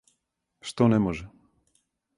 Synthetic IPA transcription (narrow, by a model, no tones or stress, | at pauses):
ʂt̪ɔnɛmɔʒɛ